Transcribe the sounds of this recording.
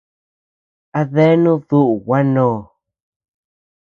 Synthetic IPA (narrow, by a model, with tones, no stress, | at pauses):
a˧ðe˦nũ˦ðu˦ʔu˨wa˦nõː˦˧˨